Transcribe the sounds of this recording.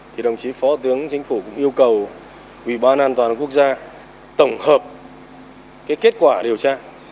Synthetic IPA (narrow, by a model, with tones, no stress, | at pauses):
t̪ʰi˨˩ɗə˨˩wŋ͡mt͡ɕi˨˦fɔ˨˦t̪ɨ˨˦əŋt͡ɕï˨˦ŋ̟fu˧˩kʊ̰˧˥ŋ͡mʔi˧əwkə˨˩w | ʔwḭ˧˩ɓaː˧nʔaː˧nt̪waː˨˩nku˦˥ək̚zaː˧ | t̪ə˧˩wŋ͡mhəː˨˩p̚ | kaː˨˦jke˦˥t̚kwaː˧˩ɗi˨˩əwt͡ɕaː˧